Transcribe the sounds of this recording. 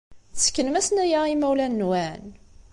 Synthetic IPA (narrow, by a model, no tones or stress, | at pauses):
θə̥kːənmæsnæjæimæwlænːwæn